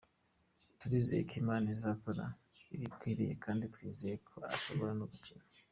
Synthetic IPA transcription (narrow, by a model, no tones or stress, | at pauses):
tuɾizḛikimaːnizakoɾa̰ | iβikwiːɾije̞̰kʰaːnditwiːzijekʰoa̰so̞βo̞ɾanuβucino